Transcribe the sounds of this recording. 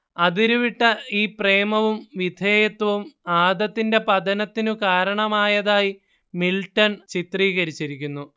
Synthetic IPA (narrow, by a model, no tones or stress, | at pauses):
ɐðiɾuʋiʈːɐiːpreːmɐʋumʋid̪ʱeːjɐt̪ːɐʋumaːd̪ɐt̪ːinde̞pɐd̪ɐnɐt̪ːinukaːɾɐɳɐmaːjɐðaːji | miltːɐnt͡ɕit̪riːɣɐɾit͡ɕːiɾikʲːunːu